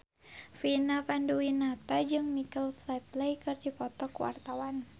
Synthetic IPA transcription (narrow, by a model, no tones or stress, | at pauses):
finapanduinat̪ad͡ʒɨŋmikəlflɛt̪̚lejkɨrdipɔt̪ɔkuwa̰rt̪awan